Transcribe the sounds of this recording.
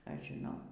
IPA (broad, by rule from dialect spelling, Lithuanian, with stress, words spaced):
ˈɐʃ ʒʲɪˈnɐʊ